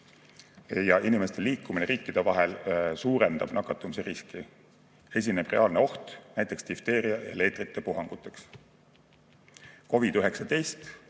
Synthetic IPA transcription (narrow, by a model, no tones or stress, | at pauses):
jɑʔinimest̪e̞liːkːumineɾiːkːˑid̪̥e̞vɑɦe̞lsuːɾend̪ɑ̰b̥nɑkːˑɑt̪ːˑumiseriski | e̞s̬ʲine̞b̥re̞ɑːlneo̞ht̪næjt̪ːˑe̞kst̪ift̪e̞ːɾiɑjɑ̰le̞ːt̪ˑrit̪ːˑe̞puɦɑŋɡ̥ut̪ːˑe̞ks | ko̞vid̪yɦe̞ksɑt̪e̞jst̪